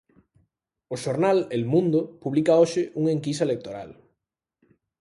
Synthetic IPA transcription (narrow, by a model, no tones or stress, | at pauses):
oʃoɾnalelmũnd̪opuβ̞likaoʃɪʔuŋeŋkisaelek̚t̪oɾa̰l